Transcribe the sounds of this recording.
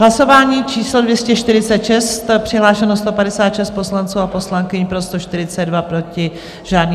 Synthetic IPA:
ɦlaso̞vaːɲiːt͡ʃiːslo̞dvjɛscɛʃt̪ɪɾɪt͡sɛt̪ʃɛst̪pr̥ɪɦlaːʃɛnost̪o̞padɛsaːt̪ʃɛst̪̚po̞slant͡suːapo̞slaŋkɪɲpɾost̪oʃt̪ɪɾɪt͡sɛdvapɾo̞cɪ | ʒaːdniː

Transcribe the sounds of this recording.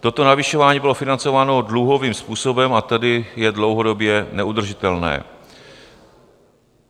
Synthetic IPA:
t̪o̞t̪o̞navɪʃo̞vaːɲiːbɪlo̞fɪnant͡so̞vaːno̞dluɦo̞viːmspuːso̞bɛmat̪adɪjɛdlo̞wɦo̞do̞bjɛnɛud̪r̩ʒɪt̪ɛlnɛ̰ː

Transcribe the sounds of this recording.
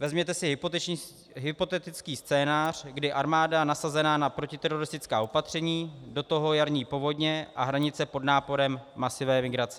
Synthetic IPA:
vɛzmɲɛt̪ɛsɪɦ | ɦɪpo̞t̪ɛt̪ɪt͡skiːst͡sɛːnaːr̝̥ɡdɪʔaɾmaːdanasazɛnaːnapɾo̞cɪt̪ɛɾo̞ɾɪst̪ɪt͡skaːo̞pat̪r̝̥ɛɲiːdo̞t̪o̞ɦo̞jaɾɲiːpo̞vo̞dɲɛʔaɦɾaɲɪt͡sɛpo̞dnaːpo̞ɾɛmːasɪvɛːmɪɡɾat͡sɛ̥

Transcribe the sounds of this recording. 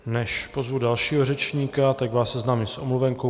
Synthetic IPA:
nɛʃpo̞zvudalʃiːɦorɛt͡ʃɲiːkat̪aɡvaːssɛznaːmisʔomluvɛŋko

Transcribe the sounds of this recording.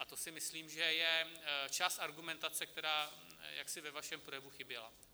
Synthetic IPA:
ʔat̪o̞sɪmɪsliːmʒɛjɛt͡ʃaːst̪ʔaɾɡumɛnt̪at͡sɛk̚t̪ɛɾaːja̰ksɪvɛvaʃɛmpɾojɛvuxɪbjɛla̰

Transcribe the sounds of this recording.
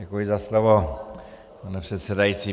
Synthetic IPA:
ɛkujizaslovo | panɛprɛt̪sɛdajit͡si

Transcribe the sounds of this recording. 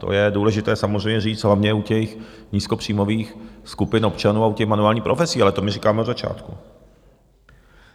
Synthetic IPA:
t̪o̰jɛduːlɛʒɪt̪ɛːsamozr̝ɛjmɲɛriːd͡z̪ɦlavɲɛucɛxɲiːskopr̥iːmoviːxskupɪnopt͡ʃanuːaucɛxmanuaːlɲiːpɾofɛsiːalɛt̪omɪriːkaːmɛod̪zat͡ʃa̰ːt̪ku

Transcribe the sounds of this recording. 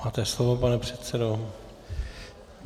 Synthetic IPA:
aːt̪ɛslovopanɛpr̝̥ɛt̪sɛdo

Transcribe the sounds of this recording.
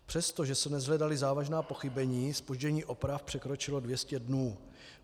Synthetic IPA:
pr̥ɛst̪o̞ʒɛsɛnɛzɦlɛdalɪzaːvaʒnaːpo̞xɪbɛɲiːspoʒɟɛɲiːʔo̞pɾafpr̝̥ɛkɾo̞t͡ʃɪlo̞dvjɛscɛdnuː

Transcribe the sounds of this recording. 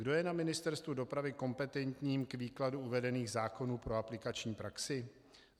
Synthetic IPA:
ɡdo̞jɛnamɪnɪst̪ɛɾst̪vudo̞pɾavɪko̞mpɛt̪ɛnt̪ɲiːmkviːkladuuvɛdɛniːɣzaːko̞nuːpɾo̞aplɪkat͡ʃɲiːpɾaksɪ

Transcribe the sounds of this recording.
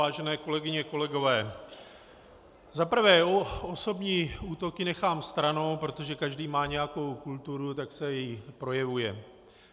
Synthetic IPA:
aːʒɛnɛːko̞lɛɡɪɲɛko̞lɛɡo̞vɛː | zapr̩vɛːo̞so̞bɲiːuːt̪o̞kɪnɛxaːmst̪ɾano̞wpɾo̞t̪o̞ʒɛkaʒdiːmaːɲɛjako̞wkult̪uɾut̪aksɛjɛjpɾo̞jɛvujɛ

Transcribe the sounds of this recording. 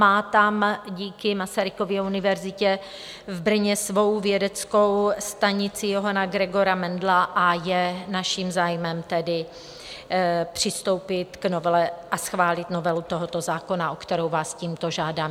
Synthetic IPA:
aːt̪amɟiːkɪmasaɾɪko̞vjɛunɪvɛɾzɪcɛ | vbr̩ɲɛsvo̞wvjɛdɛt͡sko̞wst̪aɲɪt͡sɪjo̞ɦanaɡɾɛɡo̞ɾamɛndlaʔajɛnaʃimzaːjmɛmt̪ɛdɪ | pr̝̥ɪst̪o̞wpɪt̪ɡno̞vɛlɛʔasxvaːlɪt̪no̞vɛlut̪o̞ɦot̪o̞zaːko̞naʔokt̪ɛɾowvaːsciːmt̪o̞ʒaːdaːm

